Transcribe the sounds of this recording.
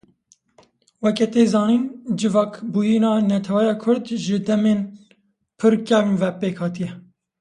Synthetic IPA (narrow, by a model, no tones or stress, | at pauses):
wɛkɛt̪eːzɑːniːnd͡ʒɨvɑːkbujinɑːnɛt̪ʰɛwɛjɑːkʰʊɾd̪ʒɨd̪ɛmeːn | pʰɨɾkɛvnvɛpeːkhɑːt̪ijɛ